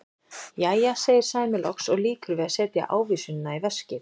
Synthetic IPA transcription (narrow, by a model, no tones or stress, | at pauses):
jaːjaseːjɪɾ̥saːjmɪlɔksɔɣliːkʏɾvɛːðasɛːt̪ja̰ʔaːwviːsʏnːaivɛscɪ